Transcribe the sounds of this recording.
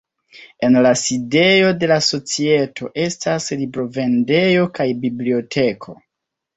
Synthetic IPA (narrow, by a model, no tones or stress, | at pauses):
e̞nlaside̞jo̞de̞laso̞t͡sie̞tʰo̞̰ʔe̞staslibɾo̞ve̞nde̞jo̞kajbiblio̞tʰe̞kʰo̞̰